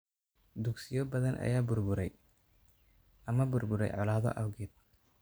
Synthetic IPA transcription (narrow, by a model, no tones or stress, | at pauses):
d̪uɡsɪjɔbɐðɐnʔɐ̰jaːbʊrbʊɾɛj | ʔɐmɐbʊrbʊɾɛ̰jʕɑlaːðɔ̰ʔɐwɡiːd̪̚